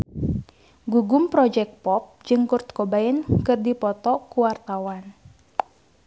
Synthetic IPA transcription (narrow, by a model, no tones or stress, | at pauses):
ɡuɡumpɾɔd͡ʒɛk̚pɔp̚d͡ʒɨŋkurt̪̚kobaɛnkɨrdipɔt̪ɔkuwart̪awan